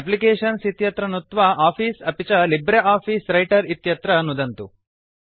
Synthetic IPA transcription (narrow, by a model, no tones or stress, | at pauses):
ep̬likeːʂɐnsit̪jɐt̪ɾɐnut̪ʋɐaːpʰiːsɐpit͡ʃɐlibɾeʔaːpʰiːsɾɐjʈɐɾit̪jɐt̪ɾɐnud̪ɐnt̪u